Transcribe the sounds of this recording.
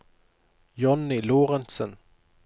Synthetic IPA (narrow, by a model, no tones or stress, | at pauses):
jɔnːɪloːʁənsən